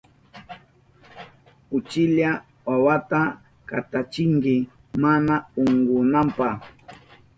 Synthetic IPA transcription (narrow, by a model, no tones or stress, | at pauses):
ʊt͡ʃɪʎa | wawat̪a | kat̪at͡ʃɪŋkɪ | manaʊŋɡʊnampa